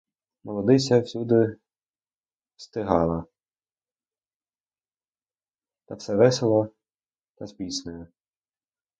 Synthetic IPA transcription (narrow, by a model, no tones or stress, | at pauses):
mɔlˠɔd̪ɪsʲɐwsʲud̪ɪ | wst̪ɪɦɑlˠɐ | t̪ɑfsɛʋɛsʲelˠɔ | t̪ɐzbʲisnɔjɛ